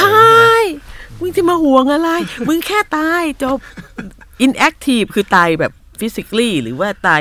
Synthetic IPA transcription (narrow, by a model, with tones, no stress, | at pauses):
tʰa˧jmɯ˧˦ŋt̪ʰiː˧˩maː˧hu˨˩əŋʔa˧ɾa˧jmɯ˧˥ŋkʰɛː˥˩t̪aː˧jt͡ɕo˨˧˩p̚ | ʔi˧nʔɛ˦˥k̚t̪ʰiː˧˩p̚kʰɯː˧t̪aː˧jbɛ̰ː˨˩p̚ | fi˦˥si˧kliː˥˩ɾɯ̰ː˩˦waː˥˩t̪aː˧